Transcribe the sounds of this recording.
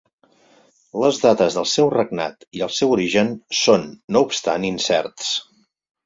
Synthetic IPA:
ləzðat̪əzðəlˠsɛwrəɡ̚na̰t̪iəlˠsɛwuɾiʒənsonːoupst̪a̰ninsɛ̰rt̪s

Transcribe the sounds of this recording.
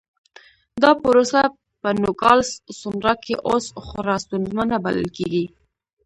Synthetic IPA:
d̪ɑpəɾosa | pənʊkɑlssunɾɑkeʔosxʊɾɑst̪unzmanaba̰lə̰lkeɡi

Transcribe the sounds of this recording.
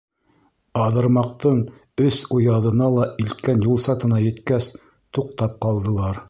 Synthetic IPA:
ɑðɤ̆ɾmɑq̚t̪ɤɴ | ɵsujɑðɤ̆nɑlˠɑilt̪̚kænjulˠsɑt̪ɤ̆nɑjɘ̆t̪kæs | t̪uq̚t̪ɑp̚qɑlˠd̪ɤ̆lˠɑɾ

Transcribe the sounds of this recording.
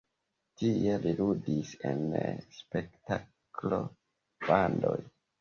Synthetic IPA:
tieliludise̞̰nspe̞kta | klo̞ | b̥ando̞j

